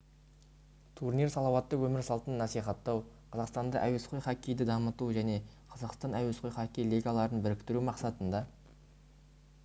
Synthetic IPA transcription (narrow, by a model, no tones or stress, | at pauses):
t̪ʰurniɾsɑlˠɑwɑt̪ːəwɵmɪɾsɑlˠt̪ənːɑsijχɑt̪ːɑwqʰɑzɑqst̪ɑnd̪ɑ̰ʔæwesqʰo̞jχɑkʲijd̪ɪd̪ɑmət̪uʒæne̞qʰɑzɑqst̪ɑnæwesqʰojχɑkʲːejlʲˠiɡɑlˠɑɾənbɪɾɪkt̪ɪɾumɑqsɑt̪ənd̪ɑ